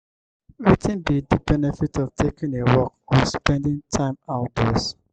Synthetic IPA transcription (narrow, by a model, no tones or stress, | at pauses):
ɹitɪ̃nbidəbɛnɛfitɔvtʰekĩŋewɔkɔ̃nspɛ̃ndɪ̃ŋtʰãɪ̃maʊt̚dɔs